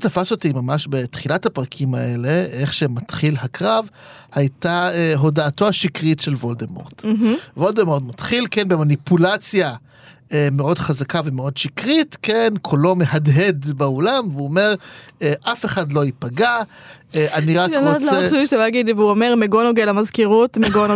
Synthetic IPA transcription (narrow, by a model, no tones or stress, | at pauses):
tafasotimamaʃbe̞t̪χilathapʁakʰima̰ʔe̞le̞eχʃematχilhakʁavhajtaeɦo̞daːto̞aʃikʁitʃe̞lvoldemo̰ʁd̥̩vo̞ldemoʁdmatχilkenbe̞manipulat͡sja | emeo̞dχazakave̞meo̞dʃikʁitkenkʰolo̞mehadɦe̞dbeolamveuome̞ʁeʔafe̞χadlo̞ipaɡa | ʔaniʁaʁotleuiʃevaaɡid̪liveuomeʁmeɡonoɡelamazkiʁutmeɡono